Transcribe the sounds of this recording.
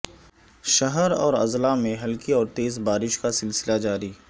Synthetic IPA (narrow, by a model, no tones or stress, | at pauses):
ʃɐɦəɾɔːɾɐ̰zlamẽɦɐlkiɔːɾt̪eːzbaːɾɪʃkasɪlsɪlad͡ʒaːɾiː